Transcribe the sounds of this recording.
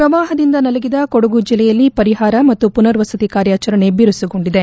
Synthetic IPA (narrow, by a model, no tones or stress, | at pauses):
pɾɐʋaːɦɐd̪ind̪ɐnɐlɐɡid̪ɐkoɽuɡud͡ʒilːɛjɐlːipɐɾiɦaːɾɐmɐt̪ːupunɐɾʋɐsɐd̪ikaːɾjaːt͡ʃɐɾɐɳe̞biɾusiɡoɳɖid̪e̞